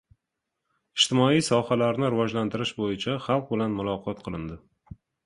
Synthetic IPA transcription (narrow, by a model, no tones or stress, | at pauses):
ɪʃt̪ɪmɒijsɒhalaɾnɪɾɪvɒd͡ʒlant̪ʰɪɾɪʃbojɪt͡ʃʰaχɑlˠq̚bɪlanmʊlˠɒqʰɒt̪̚qʰɨlˠɪnd̪ɪ